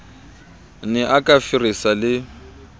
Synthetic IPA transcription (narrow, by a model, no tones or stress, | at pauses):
nɛʔakʼafirisalɪ